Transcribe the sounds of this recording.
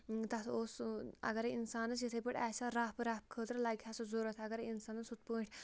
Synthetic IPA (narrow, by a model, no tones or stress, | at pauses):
t̪ɐt̪oːsɐ̰ɡɐɾinsaːnɐsjit̪ʰepəʈaːsaɾaːpɨɾaːp̚kʰəːt̪ɾlaːɡʲʰaːsɐzoːɾɐt̪ʰɐɡɐɾinsaːnɐsut̪̚pəːʈʰʲ